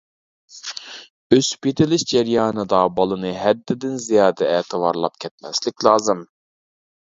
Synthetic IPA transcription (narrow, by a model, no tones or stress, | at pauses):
øspit̪ʰɪlɪʃd͡ʒɛɾjɑːnɨd̪ɑbɑlˠɨnɨɦɛd̪ːɪd̪ɪnzijɑːd̪ɛɛːt̪ʰɨvɑɾlˠɑp̚kʲʰɛt̪̚mɛslɪkʲlˠɑːzɨm